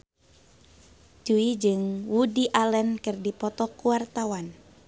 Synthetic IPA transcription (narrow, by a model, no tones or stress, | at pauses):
d͡ʒuid͡ʒɨŋwudiʔalɛnkɨrdipɔt̪ɔkuwart̪awan